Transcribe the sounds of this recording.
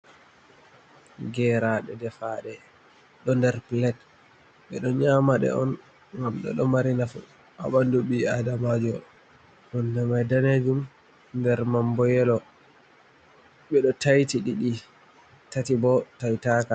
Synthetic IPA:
ɡɛɾaɗɛdɛfaɗɛ | ɗɔndɛɾpilɛt | ɓɛɗɔɲaːmaɗɛ̰ɔn | wamɗɔ̰ɗɔmaɾinafṵ | a̰ɓanduɓiadamad͡ʒɔ | hɔndɛmajdaned͡ʒum | ndɛɾmambɔjɛlɔ | ɓɛɗɔtajtiɗiɗi | tatibɔtajtaka

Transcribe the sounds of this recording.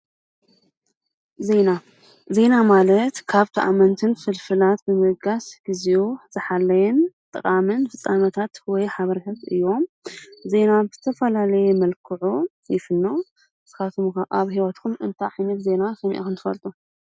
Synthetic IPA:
ze̞na | ze̞namalɐt̪kʰaβt̪ʰaʔa̰mɐnt̪ʰɨnfɨlfɨlat̪bɨmɨɡasɡ̥iziuz̥ɨħalːɐjɛnt̪ʼɨkʼamɨnfɨt͡sʼːanɐt̪ʰat̪wɔjħaβɐɾit̪ʰat̪ɨ̰jːo̞m | ze̞nabɨz̥ɨt̪ʰɐfɐlalɐjɛmɐlkʰɨʕu | jɪfɨnːo | z̥ɨ̥kat̪ʰomʔaβhiwɐt̪kʰumʔɨnt̪ʰaʕajnɐt̪ze̞nasɐmḭʔa̰kʰɨnt̪ʰɨ̥fɐ̰lt̪ʼu

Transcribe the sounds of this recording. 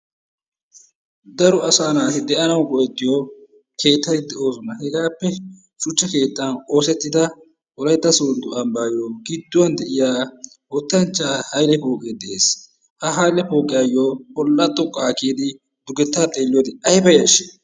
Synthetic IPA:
d̪ɐɾʊɐsaːnaːtɛd̪ɛʔɐnɐwbɔʔɛt̪ːɪjo | kʰe̞ːt̪ːɐt̪ɪd̪ɛʔo̞ːsɔnɐhɛɡaːpːɛ | ʃʊt͡ʃːɐke̞ːt̪ːɐnʼoːsɛt̪ːɪd̪ɐ | wɔlɐjt̪ːɐsond̪ʊʔɐmbaːjoːɡɪd̪ːʊwɐnd̪ɛʔɪjaː | wɔt̪ːɐnt͡ʃːaːhɐjlɛpoːkʼeːd̪ɛʔeːs | hɐɦɐjlɛpoːkʼɪjɐjːobɔlːɐt̪ʼːɔkʼːakiːd̪ɪ | d̪̥ʊɡɛt̪ːaːt̪ʼe̞ːlːɪjod̪ɪɐhɪbɐjɐʃɪ

